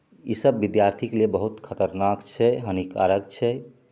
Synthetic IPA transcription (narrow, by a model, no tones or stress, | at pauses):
isəbːid̪jaɾt̪ʰiklebəɦut̪kʰət̪əɾnakt͡ʃʰɛɦənika̰ɾəkt͡ʃʰɛ